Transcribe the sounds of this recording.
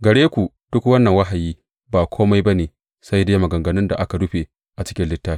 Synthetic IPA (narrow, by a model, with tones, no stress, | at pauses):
ɡɐ˨ɽeː˦kʷu˨ | d̥ʊ˦kwɐ˦nːɐ˨ŋwɐ˦ɦa˨jiː˦ | baː˨kʷʰoː˦ma˦jba˦neː˨ | sa˦jdeː˦mɐ˨ɡɐ˨ŋɡɐ˨nɪ˦nda̰˨ʔa˦ka˨dʊ˦ɸe˨ | ʔa˨t͡ʃɪ̥˦kʲɪ˦nlɪ˦tːaː˦